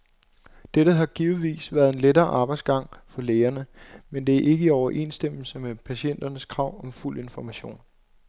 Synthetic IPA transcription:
d̥eɾəɦɑ̈ɡ̥iːʊʋḭːsʋæɐðˠe̝nledɐːʔɑ̈ːb̥ɑ̈ɪ̰dsɡ̥ɑ̈ŋ̰fɒ̽leːɐnəmend̥e̝æɐʔe̝ɡ̥əiɒʊɐʔe̝̰nsd̥em̰l̩səmepʰæɕen̰d̥ɐnəskʰʁɑ̈ʊ̰ɒ̽mfulʔe̝nfɒmæɕo̝̰ːn

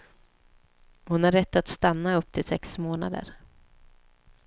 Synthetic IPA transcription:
hʊnhaɾːɛt̪ːat̪st̪anːaɵpːt̪ʰɪlsɛksmoːna̰d̪ə̰ɾ

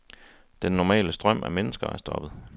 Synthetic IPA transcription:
d̥enːɒmɛ̰ːləsd̥ʁɶm̰æmenəsɡ̥ɐæɐsd̥ɒ̽b̥ð̞̩ˠ

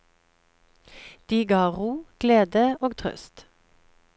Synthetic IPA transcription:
d̪̥iːɡɑːʁuːɡ̥leːd̪əoːɡt̪ʰʁœ̰st̪

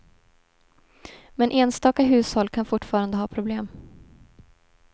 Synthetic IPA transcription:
mɛnʔeːnst̪ɑːkaɦʉ̟ːshɔlːkʰanfʊʈːfɑːɾand̪əɦɑːpʰɾʊbleːm

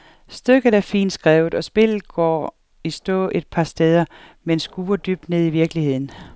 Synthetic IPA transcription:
sd̥øɡ̥ð̩ˠæɐfḭːnd̥sɡ̥ʁɛːʊð̩ˠɒ̽sb̥e̝l̰ð̩ˠɡ̥ɒ̰ː | isd̥ɔ̰̽ʔe̝d̥̚pʰɑ̈sd̥eːð̞ˠɐ | mensɡ̥uːɐd̥yːb̥̚d̥ne̝ð̞̰ˠiʋiɐɡ̥lihe̝ð̰ˠn̩

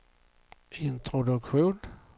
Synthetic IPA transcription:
ɪnt̪ʰɾɔd̪ɵkɧuːn

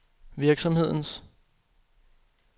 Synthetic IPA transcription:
ʋiɐɡ̥sɒ̽mhe̝ð̞̰ˠn̩s

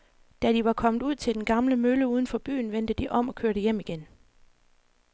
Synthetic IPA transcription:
d̥æd̥iʋɑ̈kʰɒ̽mð̩ˠuð̞̰ˠt͡sʰe̝ld̥enɡ̥ɑ̈mləmøləuːð̞ˠn̩fɒ̽b̥y̰ːnʋen̰d̥əd̥iʔɒ̽m̰ɒ̽kʰøɐɾəjem̰iɡ̥en

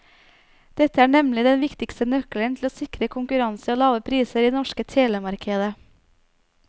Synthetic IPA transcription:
d̪̥ɛt̪əæːɳɛmlɪd̪ɛnʋɪkt̪ɪkst̪ənœklənt̪ʰl̩oːsɪkɾəkʰʊŋkʉɾɑnsəoːlɑːʋəpʰɾiːsəɾiːd̪eɛnɔʃkət̪ʰeːləmɑɾkʰeːd̪ə

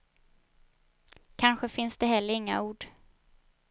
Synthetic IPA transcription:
kʰanɧəfɪnsd̪̥ɛɦɛlːəɾɪŋːa̰uːɖ̥

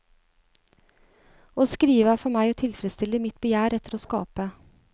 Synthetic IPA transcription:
oːskɾiːʋəæfɔɾmæɪoːt̪ʰɪlfɾɛst̪ɪlːəmɪt̪bəjæːɾɛt̪əɾoːskɑ̰ːpə

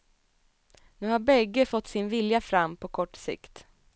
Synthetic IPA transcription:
nʉ̟ːhaɾbɛɡːəfɔt̪ːsɪnvɪljafɾamːpʰɔkʰɔʈːsɪ̰kt̪

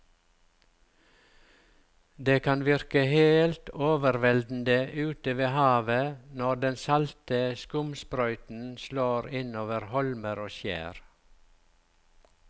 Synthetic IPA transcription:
d̪eːkʰɑnʋɪɾkəheːlt̪oːʋəɾʋɛld̪n̩d̪əʔʉːt̪əʋeːhɑːʋənɔd̪ɛnsɑlt̪əskʊmspɾœʏt̪n̩sloːɾɪnoːʋəɾhɔlməɾoːʃjæ̰ːɾ

